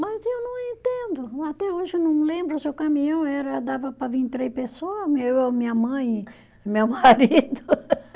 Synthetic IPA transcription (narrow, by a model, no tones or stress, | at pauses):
mɐzewnɐ̃w̃ẽnt̪ẽnd̪ʊat̪ɛoʒɪnɐ̃w̃lẽmbɾʊsewkamĩɲɐ̃w̃ɛɾɐd̪avɐpɾɐvĩt̪ɾejpesoɐmewewmĩɲɐmɐ̃j̃ | ɪmewmaɾid̪ʊ